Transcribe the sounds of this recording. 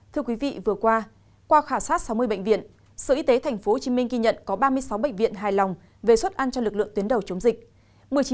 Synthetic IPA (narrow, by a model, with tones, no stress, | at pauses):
t̪ʰɨ˧əkwi˨˦vḭ˧˨vɨ˨˩əkwaː˧ | kwaː˧xaː˧˩saː˦˥t̚sa˨˦wmɨ˧əjɓə̰˧˨ŋ̟vḭ˧˨ən | sɨ̰˧˨ʔi˧t̪e˨˦t̪ʰɛ˨˩jŋ̟fo˨˦ho˨˩t͡ɕi˨˦mï˧ŋ̟ɣi˧ɲə̰˧˨nkɔ˨˦ɓaː˧mɨ˧əjsa˨˦wɓə̰˧˨jŋ̟vḭ˧ənɦaː˨˩jla˨˩wŋ͡m | ve˨˩swə˦˥t̚ʔa˧nt͡ɕɔ˧lɨ˨˩k̚lɨ̰˧˨əŋt̪i˨˦ənɗə˨˩wt͡ɕə˨˦ŋ͡mzï˨˩k̟̚ | mɨ˨˩əjt͡ɕi˨˦